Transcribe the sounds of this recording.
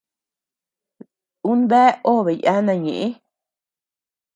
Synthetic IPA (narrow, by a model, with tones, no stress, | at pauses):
u˦nbɛ˦o˦˨βe˨ja˦nã˧˨ɲḭ̃˨ʔi˦